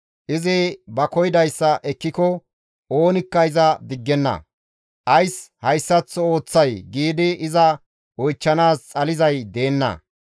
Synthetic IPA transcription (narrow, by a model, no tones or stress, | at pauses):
ʔɪzɪbɐkɔjd̪ɐjsːɐʔɛkːɪkɔ | o̞ːnɪkːɐɪzɐd̪ɪɡːɛnːɐ̰ | ʔɐjshɐjsːɐt͡sːɔo̞ːt͡sːɐjɡiːd̪ɪɪzɐ | ɔjt͡ʃːɐnaːst͡sʼɐlɪzɐjd̪e̞ːnːɐ̰